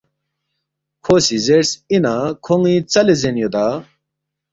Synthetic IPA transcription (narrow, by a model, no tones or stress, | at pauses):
kʰosizeɾsinakʰoŋĩt͡sɐlezenjod̪a